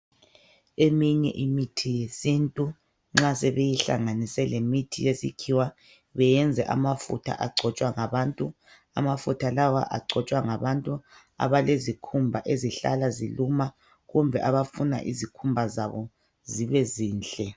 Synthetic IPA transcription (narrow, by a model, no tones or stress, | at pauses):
emiɲɛ̰ʔimitʰijesintʼu | ŋ͡ǁasɛβejiɬa̰ŋanisɛlemitʰijesḭkʰiwa | βɛjɛnd͡zʱɛʔa̰mafṵtʰa̰ʔaɡ͡ǀʱɔt͡ʃʼwaŋaβaːntʼu | a̰mafutʰalawa̰ʔa̰ɡ͡ǀʱɔt͡ʃʼwaŋaβantʼu | a̰βalezikʰumbʱaʔeziɬa̰laziluma | ɣumbʱɛʔaβafuna̰ʔḭzikʰumbʱazaβɔ | ziβɛziːnɬʼɛ